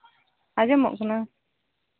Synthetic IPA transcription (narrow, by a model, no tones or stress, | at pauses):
ad͡ʒɛmɔ̰ʔkʰɔna